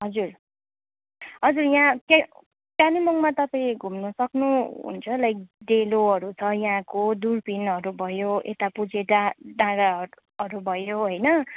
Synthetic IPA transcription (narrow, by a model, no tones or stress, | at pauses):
ɦʌd͡zur | ɦʌd͡zurjãka | kjanimʌŋmat̪ʌpãiɡʱumnʌsʌknuɦṵnt͡sʰʌlʌjk̚ɖeloɦʌɾut͡sʰʌjãkod̪urpinɦʌɾubʱʌjoḛt̪apud͡zeʈaɖãɽa | ʌɾubʱʌjoɦʌjnʌ